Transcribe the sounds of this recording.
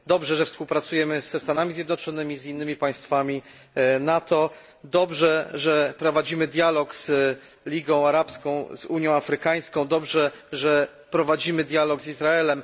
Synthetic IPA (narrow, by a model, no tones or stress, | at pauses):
d̪ɔbʐɛʐɛfspuwpɾat̪sujɛmɘz̥ɛst̪anamʲizʲjɛd̪nɔt͡ʂɔnɘmʲizinːɘmʲipaj̃st̪famʲi | nat̪ɔ | d̪ɔbʐɛʐɛpɾɔvad͡ʑimɘd̪ʲjalɔkz̥ | lʲiɡɔ̃w̃aɾapskɔ̃w̃zuɲjɔ̃w̃afɾɘkaj̃skɔ̃w̃d̪ɔbʐɛʐɛ | pɾɔvad͡ʑimɘd̪ʲjalɔɡzizɾaɛlɛm